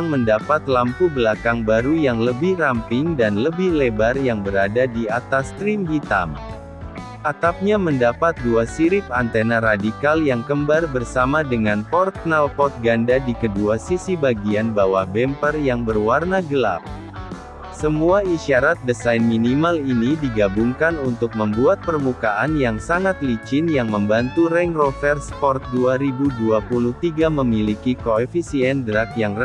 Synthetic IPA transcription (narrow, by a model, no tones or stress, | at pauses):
ŋməndapat̪lampubəlakaŋbaɾujaŋləbɪhrampɪŋdanləbɪhlebarjaŋbəɾadadiat̪ast̪ɾimhit̪a̰m | ʔat̪ap̚ɲaməndapat̪̚duasiɾɪp̚ant̪enaɾadikaljaŋkəmbarbərsamadəŋanpɔrt̪̚nalpɔt̪̚ɡandadikəduasisibaɡianbawahbɛmpərjaŋbərwarnaɡəla̰p̚ | səmuaiʃaɾat̪̚dəsajnminimalinidiɡabuŋkanunt̪ʊk̚məmbuat̪̚pərmukaʔanjaŋsaŋat̪̚lit͡ʃɪnjaŋməmbant̪uɾɛŋrofɛrspɔrt̪̚duaɾibuduapuluht̪iɡaməmilikikoefisiɛndɾakjaŋrə